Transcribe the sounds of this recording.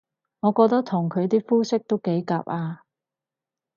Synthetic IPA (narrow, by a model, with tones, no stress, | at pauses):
ŋɔː˨˧kɔː˧k̚t̪ɐ˥k̚t̪ʰʊ˨˩ŋkʰɵ˨˧ɥt̪iː˥fuː˥sɪ˥k̚t̪o˥wke˨˥jka̰ː˧p̚ʔaː˧